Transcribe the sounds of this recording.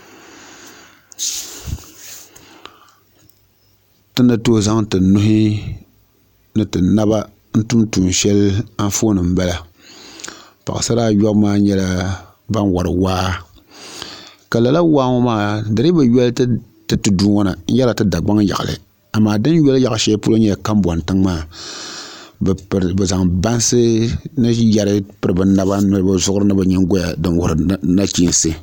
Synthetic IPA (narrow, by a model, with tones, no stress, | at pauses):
tɨ˦nːɨ˦toː˦za˦ŋtɨ˨nʊ˦hɦɪ˦ | nɨ˨tɨ˨na˦βa˦ | n̩˦tu˦mtuː˨n˨ʃɛ˦la˦n˦foː˦nɨ˨m̩˦ba˦la˦ | pa̰˨ʔɨ̰˨sa˦ɾaː˦jɔ˦bmaː˦ɲɛ˦la˦ | ba˦nwa˨ɾɨ̰˨waː˦ | ka˨la˨la˦waː˦ŋo˦maː˦˨dɨ˨ɾɨ˦bɨ˨jɛ˦l | tɨ˦tɨ˨duː˦ŋɔ˦na˨˦jɛ˦la˨tɨ˦da˨ɡ͡ba˦ŋja̰˨ʔɨ̰˨lɨ̰˨ | a˨maː˨dɨ˦njɛ˦lja˨ʔʃɛ˦pu˦lo˦ɲɛ˦jka˦mbɔ˨n˨tɨ˦ŋmaː˦˨ | bɛ˨za˨ŋba˦n˦sɨ˦nɨ˦ja˨ɾɨ˦pɨ˦ɾɨ˨bɨ˨na˦ba˦nɨ˦lɨ˦ba˦zʊ˦ʔʊ˦ɾɨ˦nɨ˦ba˨ɲɛ˦ŋ˦ɡo˦ja˨dɨ˨nwʊ˨ɾɨ˨˦na˦t͡ʃi˦n˦sɨ˦